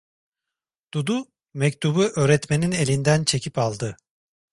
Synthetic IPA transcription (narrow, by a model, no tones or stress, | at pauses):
d̪̥ud̪u | mɛct̪ʰubuʔøːɾɛt̪me̞nine̞lʲind̪ænt͡ʃʰe̞cʰipalˠd̪ɯ